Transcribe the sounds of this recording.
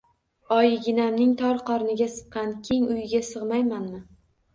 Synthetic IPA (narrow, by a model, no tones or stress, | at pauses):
ɒjɪɡʲɪnamnɪŋt̪ʰɒɾqʰɒɾnɪɡʲasɨ̥p̚qɑnkʲʰeŋʊjɪɡʲasɨʁmajmanmɪ